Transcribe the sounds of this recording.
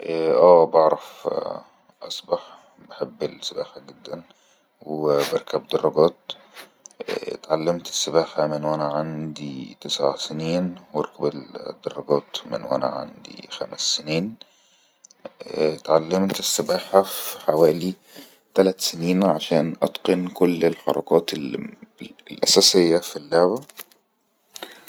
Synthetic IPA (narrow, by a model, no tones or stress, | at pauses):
ʔʔæːbɑʕɾˤɑf | ʔɑsˤbɑħ | baħebːɪlsɪbaːħaɡɪd̪ːæn | wbɑɾˤkæbd̪ɑrˤːɑɡæːt̪̚ | t̪ʕalːɪmt̪ɪ̥sːɪbaːħamɪnwænæʕand̪it̪ɪsʕa̰sɪniːnwɪɾˤkæbɪld̪ːɑrˤːɑɡæːt̪mɪ̰nwʔæ̰næ̰ʕa̰nd̪ḭxæmæsːɪniːn | t̪ʕalːemt̪ɪsːɪbaːħafi̥ħawæːli | t̪ælæt̪seniːnʕaʃæːnʔɑ̰t̪qenkʊlːelħɑ̰ɾˤɑ̰ɡɑːt̪ | lʔæsæːsɪjːæfilːaʕbæ